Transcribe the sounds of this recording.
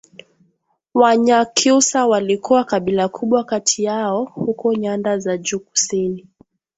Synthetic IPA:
waɲakʰusawalikuwakaɓilakʰuɓwakatʰijaɔhukɔɲandazad͡ʒuːku̥sini

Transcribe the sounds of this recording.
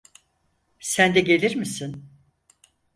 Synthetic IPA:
sænd̪ɛɡe̞lʲiɾmisin

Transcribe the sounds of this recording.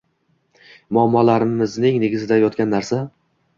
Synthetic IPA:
mʊamːɒlaɾɪmɪznɪŋneɡʲɪzɪd̪ajɒt̪kʲanːaɾsa

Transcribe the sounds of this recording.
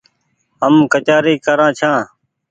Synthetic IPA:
ɦəmkət͡ʃaːɾiːkəɾãːt͡ʃʰãː

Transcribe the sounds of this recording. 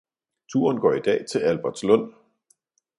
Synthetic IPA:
t͡sʰuːɐnɡ̥ɒ̰ːid̥ɛ̰ːt͡sʰe̝lælb̥æɐd̥slɔ̽n̰

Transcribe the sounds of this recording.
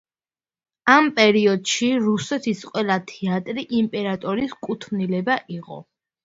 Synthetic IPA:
ampʼɛɾiɔd̪ʃiɾusɛt̪ʰisqʼwɛlˠat̪ʰɛat̪ʼɾiʔimpʼɛɾat̪ʼɔɾiskʼut̪ʰnilɛbaʔiqʼɔ̰

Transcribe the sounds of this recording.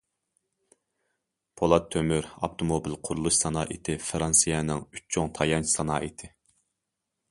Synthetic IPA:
pʰolˠɑt̪ʰːømyɾɑ̰pt̪ʰomobilˠqʰʊɾulˠuʃsɑnɑːʔit̪ʰɪfɨɾɑnsɨjɛnɪŋyt͡ʃt͡ʃʰoŋt̪ʰɑjɑnt͡ʃʰsɑnɑːit̪ʰɪ

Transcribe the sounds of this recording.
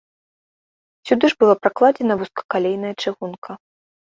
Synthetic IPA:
sʲud̪ɨʐbɨlˠapɾaklˠad͡zʲɛnɐvuskɐ̥kalʲejnɐjɐt͡ʂɨɣunkʰɐ

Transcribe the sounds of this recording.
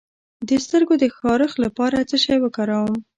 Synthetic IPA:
d̪əst̪əɾɡod̪əxɑɾəxlapɑɾat͡səʃɑjwəkɑɾawəm

